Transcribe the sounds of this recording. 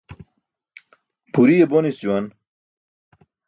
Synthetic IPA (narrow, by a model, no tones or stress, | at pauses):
puɾijebonisuwɐn